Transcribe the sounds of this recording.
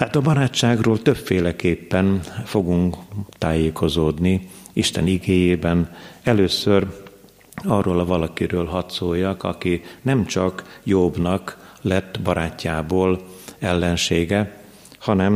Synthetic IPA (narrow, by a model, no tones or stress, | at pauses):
haːt̪ɒbɒɾaːt͡ʃːaːɡroːlt̪ø̞pfeːlɛkeːpːɛnfo̞ɡuŋkt̪aːjeːkʰo̞zoːd̪ni | iʃt̪ɛ̰niɡeːjeːbɛnɛløːsør | ɒrːoːlɒvɒlɒkiɾøːlɦɒt̪soːjːɒkɒ̰kinɛmt͡ʃɒkjobnɒklɛt̪ːbɒɾʔaːcːaːboːlɛlːɛnʃeːɡɛ | hɒnɛm